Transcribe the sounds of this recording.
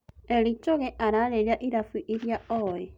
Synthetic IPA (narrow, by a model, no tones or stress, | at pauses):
elit͡ʃoɣeʔaɾaleljaʔiɾafuʔiɾjaoːje